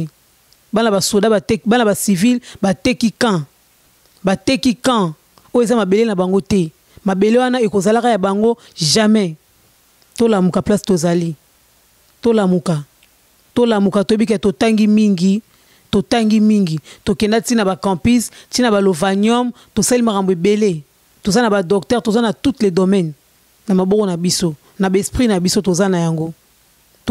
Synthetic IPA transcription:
banabasodabatbanabasivilbatɛkikã | batɛkikã | ojezamabelenabaŋɡotɛ | mabelewanaekozalakajabaŋɡo | ʒamɛ | tolamukaplastozali | tolamuka | tolamukatoebikɛtotaŋɡimiŋɡi | totaŋɡimiŋɡitokɛndatinabakɑ̃pistinabalovanɔm | tosalimakamboebele | tozanabadɔktɛʁtozanatutledomɛn | namabɔkɔnabiso | nabɛspʁinabisotozanajaŋɡo | t

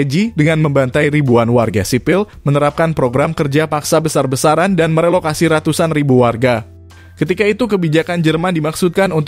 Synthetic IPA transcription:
d͡ʒidəŋanməmbant̪ajɾibuanwarɡasipɪlmənəɾap̚kanpɾoɡɾamkərd͡ʒapaksabəsarbəsaɾandanməɾelokasiɾat̪usanribuwarɡa | kət̪ikait̪ukəbid͡ʒakand͡ʒərmandimaksut̪̚kanunt̪

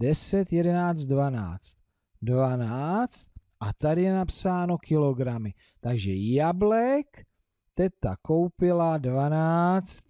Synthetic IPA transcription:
dɛsɛt̪jɛdɛnaːt͡st̪̚dvana̰ːt͡st̪̚ | dvanaːt͡st̪̚ʔat̪adɪjɛnapsaːno̞kʰɪlo̞ɡɾamɪ | t̪aɡʒɛjablɛk | t̪ɛt̪a̰ko̞wpɪladvanaːt͡st̪̚

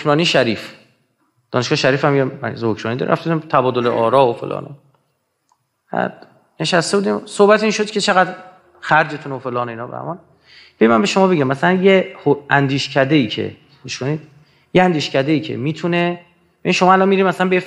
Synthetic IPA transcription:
ɾɒːniʃæɾiːf | d̪̥ɒːneʃɡɒːheʃæɾiːfæmjeæ̰zehokʰɾɒːnid̪ɒ̰ɾ̰ɾæ̰ft̪ebud̪imt̪ʰæbɒːd̪o̞leʔɒːɾɒːofḛlʔɒ̰ːno | hæ̰d̪ | ne̞ʃæst̪ebuːd̪iːmsohbæt̪ʰinʃo̞d̪̥cʰe̞t͡ʃʰeɣæd̪ | xæɾd͡ʒe̞t̪ʰunofe̞lɒːneiːnɒːbæ̰mɒn | b̥eɾimænbe̞ʃomɒːbeɟæmːæsælænjehoænd̪iːʃcʰæd̪eiːcʰḛ | miʃkonid̪̥ | jeænd̪iːʃcæd̪eiːcʰe̞̰miːt̪ʰune̞ | beinʃomɒːælɒnmiːɾiːmæslænbeje

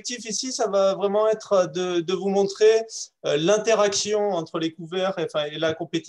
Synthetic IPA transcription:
k̚t̪ifisisavavʁɛmɑ̃ɛt̪χød̪əd̪əvumɔ̃t̪χeølɛ̃t̪eʁaksjɔ̃ɑ̃t̪χəlekuvɛʁeɑ̃fɛ̃elakɔ̃pet̪i̥

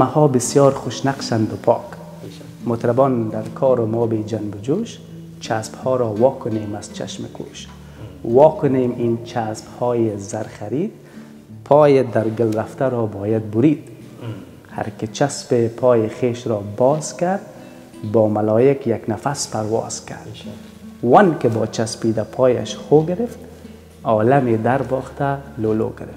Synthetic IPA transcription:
mahɔːbɪsjɔːɾχʊʃnaqʃand̪ʊpʰɒ̰ːk | mʊt̪ɾabɔːnd̪aɾkʰɔːɾʊmɔːbeːd͡ʒanbʊd͡ʒuʃ | t͡ʃʰasphɔːɾɔːwɔːkʊneːmaz̥t͡ʃa̰ʃmɪ̰kʰṵʃ | wɔːkʊneːmint͡ʃʰasphɔːjezaɾχaɾiːd̪̚ | pʰɔːjed̪aɾɡɪlɾaft̪aɾɔːbɔːjad̪̚bʊɾiːd̪ | ha̰ɾkɪt͡ʃaspepʰɔːjeχeːʃɾɔːbɒːzkaɾd̪ | bɔːmalɔːjɪkjaknafaspaɾwɔ̰ːz̥ka̰ɾd̪ | wankɪbɔːt͡ʃaspiːd̪apʰɔːja̰ʃχoːɡɪɾɪft̪ | ɔːlamed̪aɾbɔːxt̪alolo̰ːɡɪɾɪf

